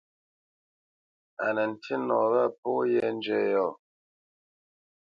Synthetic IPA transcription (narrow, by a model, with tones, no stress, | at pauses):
a̰˨nə˨n̩˨tʰi˦nɔ˨βə˦pɔ˦jɛ˦n̩˦d͡ʒɛ˦˨jɔ˨